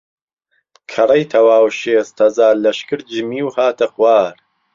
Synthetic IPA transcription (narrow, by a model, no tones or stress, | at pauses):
kʰɐrˤɐjt̪ʰɐwaːwʃeːst̪ʰɐzaːɾlɐʃkɨɾd͡ʒɨmiːwhaːt̪ʰɐxwaːɾ